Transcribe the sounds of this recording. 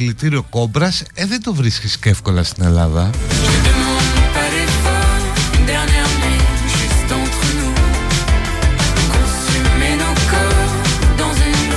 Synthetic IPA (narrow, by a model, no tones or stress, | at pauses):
lit̪iɾio̞ko̞bɾɐseðend̪ovɾiscisceefko̞lɐst̪ine̞lɐðɐted̪əmɔ̃npɛɾɛfãd̪ɛʁnɛʁmɛ̃ʒysd̪ɑ̃t̪ʁənu | kõsymɛnɑ̃kɔʁʁd̪ɑ̃zyn